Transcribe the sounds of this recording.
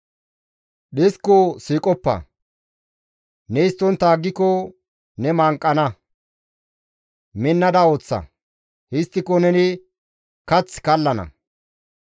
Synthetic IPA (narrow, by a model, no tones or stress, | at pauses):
ɗɪskosiːkʼɔpːɐ̰ | nɛɪst̪ːɔnt̪aːɡːɪkɔ | nɛmaːŋkʼːɐnɐ | mɪnːɐd̪ɐoːt͡sːɐ̰ | hɪst̪ːɪkɔnɛnɪ | kɐt͡sːkɐlːɐnɐ̰